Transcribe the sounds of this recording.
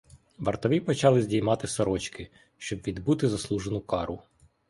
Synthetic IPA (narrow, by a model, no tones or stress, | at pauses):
ʋɐrt̪ɔʋʲipɔt͡ʃɑlˠɪzʲdʲijmɑt̪ɪsɔɾɔt͡ʃkɪ | ʃt͡ʃɔbʋʲid̪but̪ɪzɐslˠuʒenʊkɑɾʊ